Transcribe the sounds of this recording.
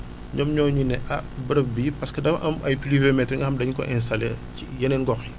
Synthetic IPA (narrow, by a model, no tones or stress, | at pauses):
ɲɔmɲɔːɲunɛʔɐbɐɾɐp̚bipɐskɐdɐmɐ̰ʔɐmɐjpilivɛmɛtːɛŋɡɐxɐmdɐɲkɔ̰ʔɛns̬tɐlɛ | ijɐnɛnɡɔxi